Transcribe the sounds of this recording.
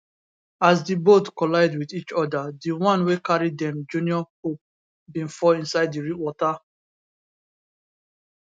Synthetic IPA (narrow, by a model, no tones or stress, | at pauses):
azdibotkɔlaɪdwidit͡ʃɔdadiwãnwekaɹidɛ̃md͡ʒũniɔkop | bĩnfɔĩnsaɪddiɹiwɔta